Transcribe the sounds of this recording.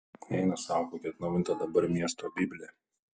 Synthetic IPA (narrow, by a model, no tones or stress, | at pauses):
ɛɪnɐsɑːkoːkʲɛt̪nɐʋɪnt̪ɐd̪ɐbɐɾmʲiɛst̪ɾoːbʲɪbʲlʲe